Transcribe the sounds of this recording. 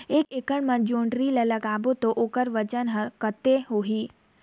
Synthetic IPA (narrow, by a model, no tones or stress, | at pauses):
eːkeːkəɳmə̃d͡ʒõːɳɖɾilələɡaːbot̪oʔoːkəɾʋət͡ʃənɦəɾkət̪eɦoɦiː